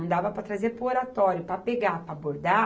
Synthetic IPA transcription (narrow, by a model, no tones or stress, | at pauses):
d̪avɐpɾɐt̪ɾazeɾpɾʊoɾat̪ɔɾjʊpɾɐpeɡapɾɐaboɾd̪a